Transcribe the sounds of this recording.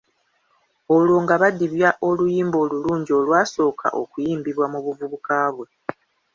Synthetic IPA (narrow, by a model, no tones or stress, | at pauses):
olwo̞ːŋɡaβadiβjaʔo̞lujiːmbo̞ːluluːɲɟio̞lwaːso̞ːkʰa̰ʔo̰kujiːmbiβwamuβuvuβukaːβwe̞